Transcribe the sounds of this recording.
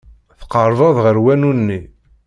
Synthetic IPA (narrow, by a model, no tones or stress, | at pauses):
θə̥qəɾˤðˤɑðˤʁəɾwænunːi